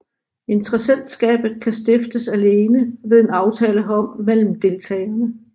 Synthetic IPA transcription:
e̝nt͡sʰʁɐsen̰d̥sɡ̥ɛ̰ːb̥ð̩ˠkʰæsd̥e̝fd̥əsæle̝ːnəʋe̝ð̞ˠe̝nɑ̈ʊt͡sʰɛːləɦɒ̽m̰mel̰m̩d̥e̝lt͡sʰɛ̰ːnə

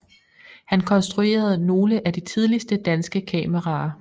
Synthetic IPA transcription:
hænkʰɒ̽nsd̥ʁue̝̰ːɐð̞̩ˠno̝ːləʔæd̥it͡sʰið̞ˠlisd̥əd̥ænsɡ̥əkʰɛməʁɑ̈ː

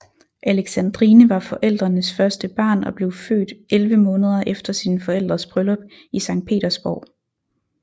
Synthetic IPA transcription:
ʔæleɡ̥sænd̥ʁinəʋɑ̈fɒ̽ʔel̰d̥ʁɐnəsfɶɐsd̥əb̥ɑ̰̈ːnɒ̽b̥le̝ʊfø̰ːd̥ʔelʋəmɔ̽ːnəð̞ˠɐʔefd̥ɐsinfɒ̽el̰d̥ʁɐsb̥ʁølɒ̽b̥ | isɑ̈ŋ̰d̥̚pʰe̝̰ːd̥ɐsb̥ɒ̰ʊ̰

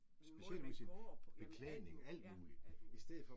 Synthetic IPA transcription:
sb̥e̝ɕel̰usinb̥ekʰlɛðˠne̝ŋæl̰d̥muːli̥isd̥eð̰̩ˠfɒ̽

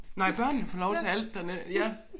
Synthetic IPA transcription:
nɑ̈ɪ̰b̥ɶɐ̰nn̩fɒlɒʊt͡sʰe̝æl̰d̥ːænejæ

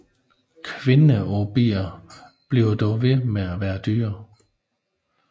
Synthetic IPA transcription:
kʰʋe̝nəɒb̥ḭːɐ | b̥liʊd̥ɒʋe̝meæʋæːɐd̥yːɐ

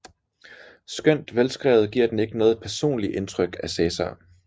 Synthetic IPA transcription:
sɡ̥øn̰d̥ʋelsɡ̥ʁɛ̰ːʊð̩ˠɡ̥iɐ̰d̥ene̝ɡ̥ənɔ̽ːð̩ˠpʰæɐso̝̰ːnliʔe̝nt͡sʰʁœɡ̥æsɛːsɑ̰

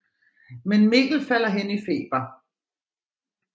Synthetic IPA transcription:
menme̝̰ːɡ̥l̩fæl̰ɐɦenəife̝̰ːb̥ɐ

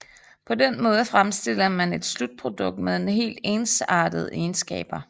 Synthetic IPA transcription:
pʰɒ̽denmɔ̽ːð̞̩ˠəfʁamsd̥e̝l̰ɐmæne̝d̥slud̥̚pʰʁo̝d̥ɔ̽ɡ̥̚d̥meðˠe̝nɦe̝̰ːld̥e̝ːnsɑ̈ːd̥əð̞̩ˠeːnsɡ̥ɛ̰ːb̥ɐ

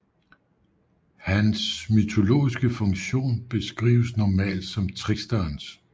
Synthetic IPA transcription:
hænsmyt͡sʰo̝lo̝̰ːisɡ̥əfɔ̽ŋɕo̝̰ːnb̥e̝sɡ̥ʁḭːʊəsnɒmɛ̰ːld̥sɒ̽mt͡sʰʁiɡ̥sd̥ɐns

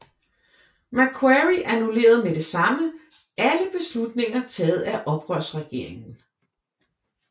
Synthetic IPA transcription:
mækʰwæʁiʔænule̝̰ːɐð̞ˠmed̥e̝sɑ̈mə | ʔæləb̥e̝slud̥ne̝ŋɐt͡sʰɛːð̞̩ˠæʔɒ̽b̥ʁœɐsʁɛɡ̥e̝̰ɐ̰e̝ŋn̩

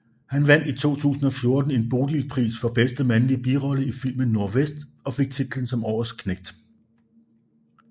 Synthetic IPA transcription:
hænʋæn̰d̥it͡sʰo̝̰ːt͡sʰṵːsn̩ɒ̽fjo̝ɐd̥n̩e̝nb̥o̝ːd̥ilpʰʁḭːsfɒ̽b̥esd̥əmænlib̥iːʁɒ̽ləifil̰mən̩ːo̝ɐʋesd̥ɒ̽fe̝ɡ̥̚t͡sʰid̥l̩n̩sɒ̽mɒːskʰneɡ̥̚d̥

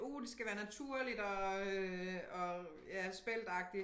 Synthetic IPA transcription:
o̝̰ːl̩sɡ̥æʋæːɐnæt͡sʰuɐ̰lid̥ɒ̽øɒ̽ | jæsb̥el̰d̥ɑ̈ɡ̥̚d̥i

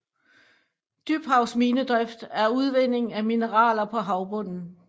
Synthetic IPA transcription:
d̥yb̥hɑ̈ʊsmiːnəd̥ʁœfd̥æɐuð̞ˠʋen̰e̝ŋæminəʁɑ̰̈ːlɐpʰɒ̽ɦɑ̈ʊb̥ɔ̽n̰n̩

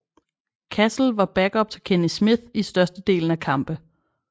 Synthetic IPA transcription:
kʰæsl̩ʋɑ̈b̥æɡ̥ɒ̽b̥̚t͡sʰe̝kʰenismiðˠisd̥ɶɐsd̥əd̥e̝̰ːln̩ækʰɑ̈mb̥ə

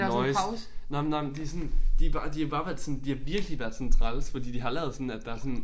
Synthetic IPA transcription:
nɒɪnɑmnɑɪmend̥iæɐsɔ̽nd̥ib̥ɑ̈ːd̥ihɑb̥ɑ̈ːʋæɐd̥sɔ̽nd̥ihɑ̈ʋiɐɡ̥liʋæɐd̥sɔ̽n̩t͡sʰʁɑlsfɒ̽d̥ḭːd̥iɦɑ̈lɛɐðˠsɔ̽n̩æd̥ɑ̈æɐsɔ̽n

